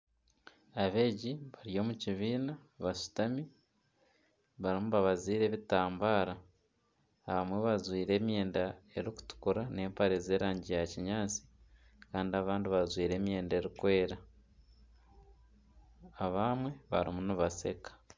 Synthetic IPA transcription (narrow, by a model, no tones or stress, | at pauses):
aβe̞ːɟiβaɾijo̞ːmuciβiːnaβaʃu̥tami | βaɾimuβaβaziːɾe̞ːβitaːmbaːɾaː | βamwe̞βazwiːɾe̞ːmje̞ːndae̞ɾiku̥tu̥kuɾane̞ːmpaɾeze̞ːɾaːɲɟijaciɲaːt͡si̥ | kaːndiaβaːndiβazwiːɾe̞ːmje̞ːnde̞ɾikwe̞ːɾa | βamwe̞βa̰ɾḭmuniβase̞̰kḁ